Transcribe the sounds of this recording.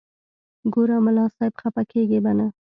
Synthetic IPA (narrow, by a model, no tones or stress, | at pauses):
ɡoɾamʊlɑsɑɪbxapakeɡebana